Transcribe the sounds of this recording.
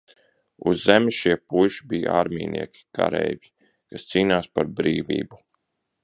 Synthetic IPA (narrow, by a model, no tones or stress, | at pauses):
uzːemʲiʃiɛpujʃibijaːɾmʲiːnʔiɛkʲi̥kʰa̰ɾɛjvʲi | kast̪siːnaːspaɾbɾiːvḭːbu